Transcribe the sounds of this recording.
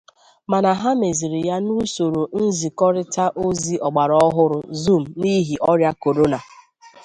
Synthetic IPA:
ma˨na˨ɦa˦me˨zi˨ɾɪ˨ja˦nu˦so˨ɾo˨n̩˦zi˨kɔ˦ɾɪ˦ta˦ʔo˦zi˦ʔɔ˨ɡ͡ba˨ɾɔ˦ɦʊ˦ɾʊ˦zu˦m̩˨ni˦ɦi˨ʔɔ˦ɾja˦ko˨ɾo˦na˨

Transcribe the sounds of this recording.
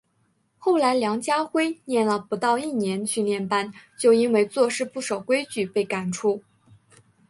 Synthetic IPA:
xo˥˩ʊla˧˥ɪljɑ˧˥ŋt͡ɕja˥xwe˥ɪnjɛ˥˩nlə˩pu˧˥t̪ɑ˥˧ʊi˥˩njɛ˧˥nt͡ɕʰy˥˧ljɛ˥˩npa˥nt͡ɕjo˥˧ʊi˥nwe˥˧ɪt͡swɔ˥˧ʂɻ̩˥˧pu˥˩ʂɑ˨˩ʊkwe˥ɪt͡ɕy˥˩pe˥˩ɪka˨˩nʈ͡ʂʰu˥

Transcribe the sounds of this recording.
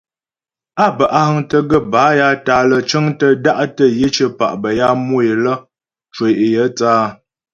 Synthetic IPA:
a˦˨bə˨ʔa˦hə˦ŋtə˦ɡə˦˨ba˨˦ja˦ta˨˦lə˨t͡ʃə˦ŋtə˦da˦ʔtə˦je˦t͡ʃə˦pa̰˨ʔbə˨ja˦mo˦e˨lə˦ | t͡ʃwe˨ʔe˨jə˦t͡saː˦

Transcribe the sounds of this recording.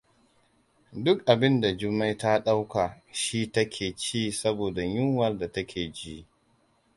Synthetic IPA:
dʊ˦k̚ʔa˨bɪ˦nda˨d͡ʒʊ˦mːa˦jta˦ɗa˦wka˨ | ʃiː˦tɐ˦kʲʰeː˨t͡ʃiː˦sɐ˦boː˨da˨ɲʊ˦ŋwɐ˨rda˨tɐ˦kʲʰeː˨d͡ʒi˦

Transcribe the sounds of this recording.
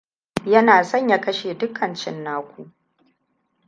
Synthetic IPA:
jɐ˦naː˨sɐ˦˨ɲjaː˦kɐ˦ʃeː˨dʊ˦kʰɐ˨nt͡ʃɪ˦nːaː˦kʷu˨ʔ

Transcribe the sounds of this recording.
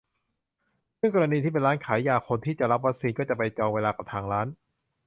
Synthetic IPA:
sɯ˥˩əŋkɔː˧ɾa˧niː˧t̪ʰiː˥˩pe˧nɾaː˦˥nkʰaː˩˦jːaː˨˩kʰo˧nt̪ʰiː˥˩t͡ɕa˨˩ʔɾa˦˥p̬̚wa˦˥k̚siː˧nkɔː˥˩t͡ɕa˨˩pa˧jt͡ɕɔː˧ŋweː˧laː˧ka˨˩p̚t̪ʰaː˧ŋɾaː˦˥n

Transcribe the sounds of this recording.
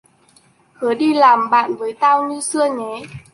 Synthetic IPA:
hɨ˨˦əɗi˧laː˨˩mɓa̰ː˧˨nvəː˨˦jt̪aː˧wɲɨ˧sɨ˧əɲe˨˦

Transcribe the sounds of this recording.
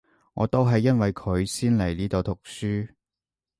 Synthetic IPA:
ŋɔː˨˧t̪o˥wɦɐ˨jːɐ˥nwɐ˨jkʰɵ˨˧ɥsiː˥nle˨˩jliː˥t̪o˨˧wt̪ʰʊ˨˩k̚syː˥

